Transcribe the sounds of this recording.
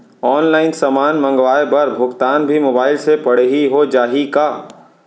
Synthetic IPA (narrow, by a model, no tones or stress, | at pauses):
ɔːnlaːɪnsəmaːnmɐ̃ŋɡʋaːebɐɾbʱʊɡt̪aːnbʱimoːbaːɪlsepɐɽ̤ɦiɦod͡ʒaːɦikaː